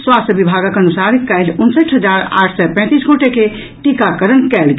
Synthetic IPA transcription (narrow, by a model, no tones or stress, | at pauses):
swast̪əbibʱaɡakənusaɾik̪kaɪlunsəʈʰɦəd͡ʒaɾa̰ːʈʰsɔpɛ̃ːt̪isɡoʈeke | ʈikakəɾənkɛlɡ